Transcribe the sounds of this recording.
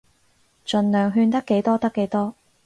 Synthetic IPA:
t͡ʃɵ˨nlœː˨ŋɦyː˧nt̪ɐ˥kːe˨˥jt̪ɔː˥t̪ɐ˥kːe˨˥jt̪ɔː˥

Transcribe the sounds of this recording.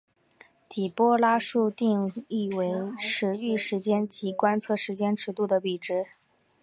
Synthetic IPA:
t̪ʰi˨˩pwɔ˥la˥ʂu˥˧t̪i˥˧ŋi˥˩we˧˥ɪʂɻ̩˧˥y˥˩ʂɻ̩˧˥t͡ɕjɛ˥nt͡ɕi˧˥kwa˥nt͡sʰɤ˥˩ʂɻ̩˧˥t͡ɕjɛ˥nʈ͡ʂɻ̩˧˥t̪u˥˩d̪ə˩pi˨˩ʈ͡ʂɻ̩˧˥

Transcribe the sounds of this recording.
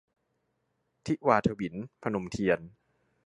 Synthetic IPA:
t̪ʰi˦˥ʔwaː˧t̪ʰa˧wi˩˦npʰa˧no˨˩mt̪ʰi˧ən

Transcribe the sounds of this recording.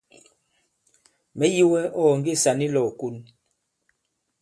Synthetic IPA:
mɛ˨˦ji˦wɛ˦ɔː˦˨ŋɡe˦˨sa˨ni˦lɔ˨ku˦n

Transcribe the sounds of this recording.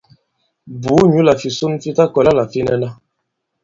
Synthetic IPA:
bu˨˦ɲu˦la˨fi˨su˦nfi˦ta˦kɔ˨la˦la˨fi˦nɛ˦na˦

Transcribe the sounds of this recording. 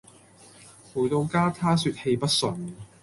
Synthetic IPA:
pu˨˩t̪o˧wkaː˥t̪ʰaː˥syː˧t̚he˧jpɐ˥t̚sɵ˨˧n

